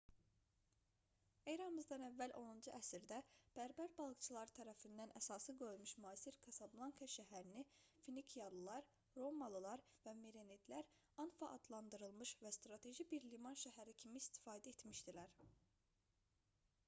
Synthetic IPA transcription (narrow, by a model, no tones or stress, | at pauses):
ejɾɑnmɯzd̪ɑnævːælʔo̞nund͡ʒuʔæsiɾd̪æb̥æɾbæɾbɑlˠɯkt͡ʃʰɯlˠɑɾɯt̪ʰæɾæfind̪ænʔæsɑsɯɡø̞lmyʃmyɑːsiɾkʰɑsɑblˠɑŋkʰɑʃæɦæɾinifinikʰijɑlˠɯlˠɑɾ | ɾo̞mːɑlˠɯlˠɑɾvæmiɾenid̪læɾ | ɑnfɑʔːd̪lˠɑnd̪ɯɾɯlˠmɯʃvæst̪ɾɑt̪ʰe̞ʒibiɾlimɑnʃæɦæɾicʰimiːst̪i̥fɑːd̪æet̪miʃd̪ilæɾ